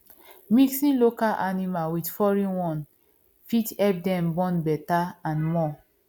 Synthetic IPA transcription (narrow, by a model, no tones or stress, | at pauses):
miksĩnlokalʔanimawitfɔɹĩwɔ̃n | fitɛp̚dɛ̃mbɔ̃nbɛtaãnmɔ